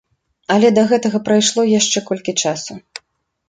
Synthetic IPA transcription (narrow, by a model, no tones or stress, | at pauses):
ɐlʲɛd̪ɐɣɛt̪ɐɣɐpɾajʂlˠɔjaʂt͡ʂɛkɔlʲkʲit͡ʂasu